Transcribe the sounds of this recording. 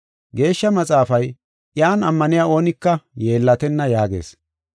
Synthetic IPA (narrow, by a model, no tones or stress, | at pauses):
ɡe̞ːʃːɐmɐt͡sʼaːfɐj | ʔjaːnɐmːɐnɪjaːo̞ːnɪkːɐje̞ːlːɐt̪ɛnːɐjaːɡe̞̰ːs